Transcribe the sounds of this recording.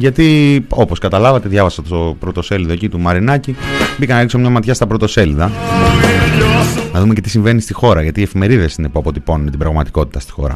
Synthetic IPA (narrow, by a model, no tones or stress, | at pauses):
ʝɐt̪io̞po̞skɐt̪ɐlɐvɐt̪e̞ðʝɐvɐsɐt̪st̪opɾot̪o̞se̞lðo̞ecit̪umɐɾinɐcibicɐnɐɾiksomɲɐmɐt̪çɐst̪ɐpɾo̞t̪o̞se̞lðɐ | nɐðumece̞t̪isiɱve̞nist̪ixo̞ɾɐʝɐt̪iːefime̞ɾiðe̞sine̞puɐpo̞t̪iponunet̪ibɾɐɣmɐt̪iko̞t̪it̪ɐst̪i̥xo̞̰ɾɐ̰